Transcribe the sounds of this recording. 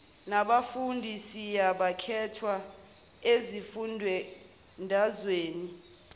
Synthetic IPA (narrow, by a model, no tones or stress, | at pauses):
naɓafundʱisijaɓakʰɛtʰwa | ezifundʱwɛ | ndʱazweːni